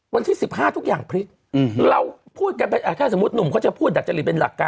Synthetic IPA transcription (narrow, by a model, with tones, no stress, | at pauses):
wa˧nt̪ʰiː˥˩si˨˩p̚ɦaː˥˩t̪ʰu˦˥k̚jaː˨˩ŋpʰɾi˦˥t̪̚ | ɾa˧wpʰuː˥˩t̪̚ka˧npa˧ʔaː˧˩k̪ʰɛː˥˩so˩˦mu˦˥t̪̚nu˨˩mkʰa˦˥˩t͡ɕa˨˩pʰu˥˩t̪̚da˨˩t̚t͡ɕa˧li˨˩pe˧nla̰˨˩kːaː˧